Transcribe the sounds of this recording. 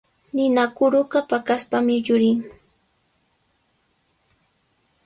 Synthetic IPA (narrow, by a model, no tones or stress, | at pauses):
nɪnakʊɾʊɢapakaspamɪʎʊɾɪŋ